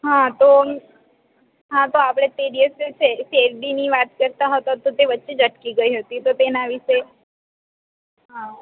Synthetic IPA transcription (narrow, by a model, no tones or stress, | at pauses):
ɦãt̪o | ɦãt̪oapɽ̃et̪eɖieset͡ʃʰeseɾɖiniʋat̪kəɾt̪aɦət̪at̪ot̪eʋətːʃed͡ʒəʈkiɡəiɦət̪it̪ot̪enaʋiʃe | ɦã